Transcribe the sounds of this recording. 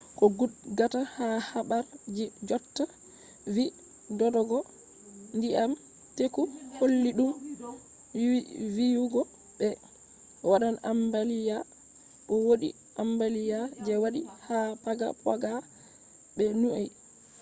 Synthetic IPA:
kɔɡuɡatahahaɓaɾd͡ʒid͡ʒɔtːa | vi | dɔdɔɡɔ | ndiam | tekuholːiɗum | vijuɡɔ | ɓɛ | waɗana̰mbalija | ʔɔwoɗḭ | ʔambalijad͡ʒɛwaɗihapaɡa̰pa̰ɡa | ɓɛnuʔaj

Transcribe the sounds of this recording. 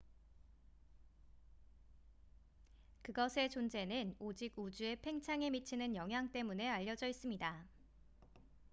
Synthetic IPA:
kɯɡʌsʰe̞t͡ɕond͡ʑe̞nɯnod͡ʑiɡud͡ʑue̞pʰe̞ŋt͡ɕʰaŋe̞mit͡ɕʰinɯnjʌŋɦjaŋt͈e̞mune̞aʎːʌd͡ʑʌis͈ɯmɲida

